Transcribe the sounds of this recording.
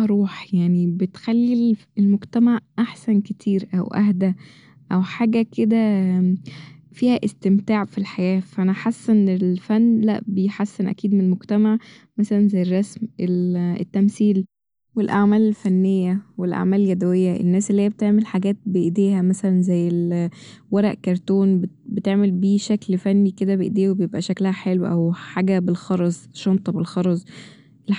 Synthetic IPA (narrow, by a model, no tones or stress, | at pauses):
ɑɾˤuːħjaʕnibet̪xælːil | elmoɡt̪æmaʕʔaħsænket̪ʰiːɾʔæwʔæ̰hd̪æ | ʔæwħaːɡæked̪æ | fiːhæʔest̪emt̪aːʕfilħajæːfæʔænæħasːenelfænːlæ̰ʔbejħasːenʔæ̰kiːd̪menelmoɡt̪æmaʕ | mæsælænzæjːerˤːɑsmʔelḛt̪ːæmsiːl | welʔaʕmæːlelfænːejːæwelʔa̰ʕmæːlelɡæd̪æwejːæʔḛnːæːselːhijæbet̪eʕmelħaɡæːt̪̚beʔd̪eːhæmæsælænzæjːelwɑɾˤɑʔkɑɾˤt̪oːnb | bet̪eʕmelbiːʃæklfænːiked̪æbeʔd̪eːwebejebʔæʃæklæhæħelwʔæwħaːɡæbelxɑɾˤɑzˤʃomt̪ˤɑbelxɑɾˤɑzˤ | ʔel